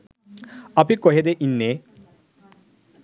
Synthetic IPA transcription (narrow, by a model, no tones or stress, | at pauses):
apikɔɦed̪eʔinːe